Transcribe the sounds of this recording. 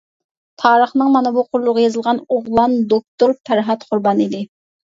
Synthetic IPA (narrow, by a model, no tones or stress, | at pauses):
t̪ʰɑːɾəχnɨŋmɑnɨbuqʰʊɾlˠʊʁɑjɑzɨlˠʁɑnoʁlˠɑnd̪ok̚t̪oɾpʰæɾɦɑt̪qʰʊɾbɑnid̪ɪ